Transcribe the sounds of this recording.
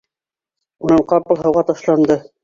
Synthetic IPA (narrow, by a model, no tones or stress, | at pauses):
unɤɴqɑpɤ̆lˠɦɤ̆wʁɑt̪ɑʃlˠɑnd̪ɤ